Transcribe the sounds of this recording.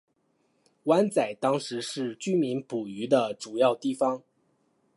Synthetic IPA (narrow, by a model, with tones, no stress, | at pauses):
wa˥nt͡sa˨˩ɪt̪ɑ˥ŋʂɻ̩˧˥ʂɻ̩˥˩t͡ɕy˥mi˧˥npu˨˩y˧˥d̪ə˧ʈ͡ʂu˨˩jɑ˥˧ʊt̪i˥˩fɑ˧˥ŋ